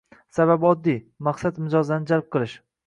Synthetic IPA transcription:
saβabɒd̪ːi | maqsat̪mɪd͡ʒɒznɪd͡ʒalˠp̚qʰɨlˠɪʃ

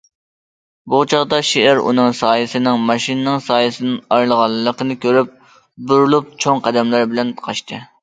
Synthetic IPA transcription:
but͡ʃʰɑʁd̪ɑʃeɪɾṵnɨŋsɑːjɨsɨnɨŋmɑʃinɨnɨŋsɑːjɨsɨnɨnɑjlˠəʁɑlˠːəqənɨkʲøɾyp̚ | buɾlˠup̚t͡ʃʰoŋqʰɛd̪ɛmlæɾbɪlɛnqʰɑʃt̪ʰɨ

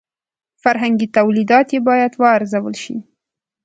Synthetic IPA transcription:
faɾɦaŋɡit̪awlid̪ɑt̪jebɑjad̪wɑːɾzawə̰lʃḭ

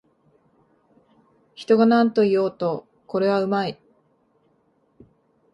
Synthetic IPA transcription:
çi̥t̪o̞ɡanãnt̪o̞ijo̞ːt̪o̞ | ko̞ɾe̞β̞aɯ̟mai

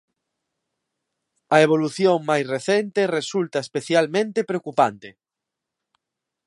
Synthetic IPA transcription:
ɐeβoluθjoŋmajsreθent̪eresult̪ɐespeθjalmẽnt̪epɾeokupant̪e

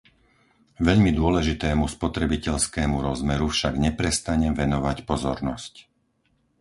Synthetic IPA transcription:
ʋɛʎmid̪ʊɔlɛʒit̪ɛːmuspɔt̪ɾɛbicɛʎskɛːmuɾɔzmɛɾufʃaɡɲɛpɾɛst̪aɲɛmʋɛnɔʋacpɔzɔɾnɔsc

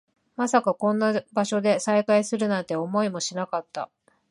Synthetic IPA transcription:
masakakõ̞nːabaɕo̞d̪e̞saikaisɨɾɯ̟nãnt̪e̞o̞mo̞imo̞ɕinakat̪ːa̰

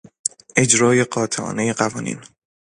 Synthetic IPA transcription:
ʔe̞d͡ʒɾɒːje̞ɢɒːt̪ʰeʔɒ̰ːne̞je̞ɢævɒːnḭːn

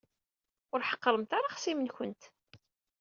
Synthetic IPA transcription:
ʊɾħə̥qːəɾəmt̪aɾaχsimənçʊnt̪

